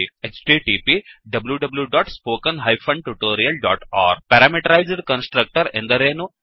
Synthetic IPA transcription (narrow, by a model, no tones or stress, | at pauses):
et͡ʃʈiʈiːpiɖɐbljuɖɐbljuɖɔːʈspoːkə̃nɦaɪfʰɐ̃ɳɖʈuʈoːɾiɐlɖɔ̰ːʈɔ̰ːɾpɛɾameʈɐɾaɪzɖkɐ̃nsʈɾək̚ʈəɾḛ̃nd̪ɐɾeːno